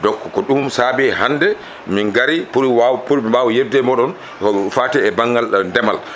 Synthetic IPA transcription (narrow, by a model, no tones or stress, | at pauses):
dɔkːɔkɔɗumsabɛhandɛ | miŋɡaɾipuɾwawpuɾiɓawɔjɛdɛmɔɗɔn | faːtɛɛbaŋɡalndɛmal